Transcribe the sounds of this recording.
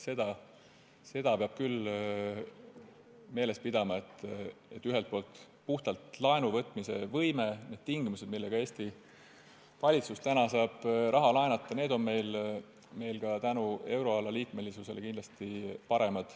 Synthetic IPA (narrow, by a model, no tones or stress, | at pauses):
se̞d̪̥ɑ | se̞d̪̥ɑpeɑb̥kyl | me̞ːle̞s̚pid̪ɑmɑet̪ːˑe̞t̪ːyɦelt̪̚po̞ːlt̪ | puht̪ɑlt̪lɑenuvɤt̪ːˑmisḛvɤjme̞ne̞d̪̥̚t̪iŋɡ̥imuse̞d̪milːe̞ɡɑe̞ːst̪i | vɑlʲit̪sust̪ænɑsɑːb̥rʔɑɦɑlɑenɑt̪ˑːɑne̞ːd̪o̞nme̞jl | me̞jlkɑt̪ænue̞wɾo̞ɑlːɑliːk̪me̞lisuse̞lekind̪lɑst̪ipɑɾe̞mɑd̪̥